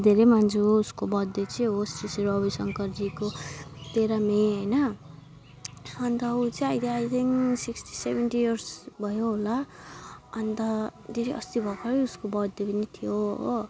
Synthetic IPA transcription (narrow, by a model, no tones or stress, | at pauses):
d̪ʱeɾejmand͡zuuskobʌd̪ːet͡sĩɦosteseɾoʌbʌsʌŋkʌrd͡zikot̪eɾameɦʌjnʌ | ʌnt̪ʌut͡sĩajt̪ʰiajt̪ʰiŋsiksʈi̥sebʱenʈijʌrsbʱʌjoɦola | ʌnt̪ʌd̪ʱeɾeʔʌst̪ibʱʌkaɾʌuskobʌd̪ːepʌnit̪ʰijoɦ